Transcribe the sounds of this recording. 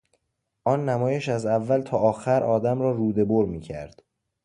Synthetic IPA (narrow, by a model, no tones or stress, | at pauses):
ʔɒːnːæmɒːjeʃæzævːælt̪ʰɒːɒːxæɾʔɒːd̪æmɾɒːruːd̪e̞boɾmiːcʰæ̰ɾd̪̥